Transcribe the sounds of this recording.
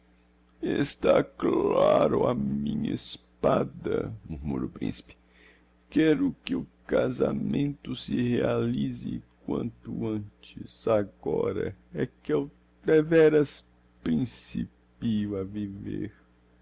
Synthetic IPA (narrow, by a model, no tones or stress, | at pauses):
est̪aklaɾʊamĩɲɐespad̪ɐmuɾmuɾo̰pɾḭ̃si̥pɪ̥ | kɛɾʊkɪʊkazamẽnt̪ʊsɪhealizɪkwɐ̃nt̪ʊɐ̃t͡ʃɪzaɡɔɾɐɛkɪew | d̪evɛɾɐs | pɾĩsi | piʊɐviveɾ